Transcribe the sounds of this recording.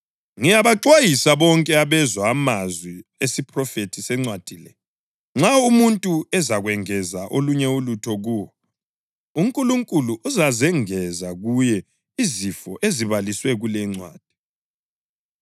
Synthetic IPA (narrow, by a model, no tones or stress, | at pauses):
ŋijaβaǀwajisaβɔŋkʼɛaβɛzwaːmazwiesipʰʼrɔfetʰisɛŋ͡ǀwad̥ʱiːlɛ | ŋ͡ǁaumuntʼuɛzaɣwɛŋɛzaʔoluɲɛulutʰɔɣuwɔ | uŋkʼuluŋkʼuluʔuzazɛŋɛzaɣujɛ | izifɔʔeziβaliswɛɣulɛŋ͡ǀwa̰ːd̥ʱi̥